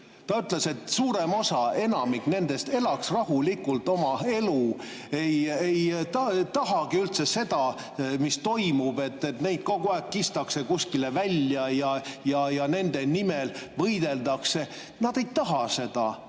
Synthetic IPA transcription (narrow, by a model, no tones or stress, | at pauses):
t̪ɑyt̪le̞se̞t̪suːɾe̞mo̞sɑe̞nɑmikne̞nd̪̥e̞st̪e̞lɑksrɑhulikːˑult̪ˑo̞mɑe̞lu | e̞jejt̪t̪ɑɦɑɡiylt̪sese̞d̪̥ɑ | mist̪o̞jmub̥e̞t̪ːet̪ne̞jd̪̥̚koɡuɑekkːist̪ɑkse̞kusʲkilevælʲjɑjɑjɑjɑne̞nd̪̥e̞nimelvɤjd̪̥e̞ld̪ɑkse̞ | nɑd̪e̞jt̪ɑɦɑse̞d̪̥ɑ̰